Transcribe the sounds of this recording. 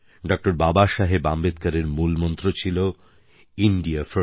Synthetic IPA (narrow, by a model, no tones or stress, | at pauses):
ɖɔk̚ʈoɾbabaʃaɦebambet̪kaɾeɾmulmɔnt̪ɾot͡ɕʰilo | iɳɖiafo